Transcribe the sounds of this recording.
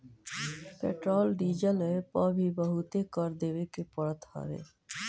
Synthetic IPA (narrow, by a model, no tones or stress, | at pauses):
pḛʈɾolɖid͡ʒəlepɔbʱibəɦut̪ekɔɾd̪ebekepɔɽət̪hɔ̰ɾḛ